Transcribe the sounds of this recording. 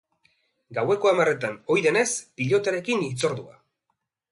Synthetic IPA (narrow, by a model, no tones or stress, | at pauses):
ɡawe̞ko̞amare̞t̪ano̞jðe̞ne̞spiʎo̞t̪aɾe̞kinit͡so̞ɾðua̰